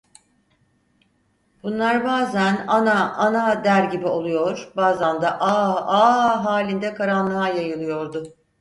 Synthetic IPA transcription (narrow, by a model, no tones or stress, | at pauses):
b̥unlˠaɾbaːzænanaʔanad̪æɾɟibio̞lˠujo̞ɾbaːzand̪aʔaaɦaːlʲind̪ɛkʰaɾanlˠaajajɯlˠɯjo̞ɾd̪ʊ